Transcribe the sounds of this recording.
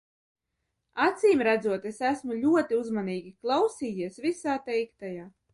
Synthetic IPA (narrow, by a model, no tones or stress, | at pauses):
at̪sʲiːmɾæd̪zuɔt̪esæsmulʲuɔt̪iuzmaniːɡʲiklˠɑwsiːjiɛsvisaːt̪ɛjkt̪ajaː